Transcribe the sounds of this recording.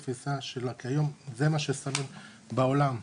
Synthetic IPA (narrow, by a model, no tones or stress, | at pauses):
fisaʃelakiajo̞mzemaʃesamin | bao̞lam